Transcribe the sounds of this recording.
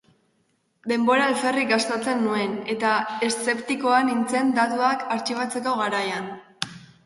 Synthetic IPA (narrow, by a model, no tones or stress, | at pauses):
d̪e̞mbo̞ɾaelfe̞rikast̪at͡se̞nːue̞ne̞t̪ae̞st͡se̞pt̪iko̞anint͡se̞nd̪at̪uakaɾt͡ʃiβat͡se̞ko̞ɣaɾajan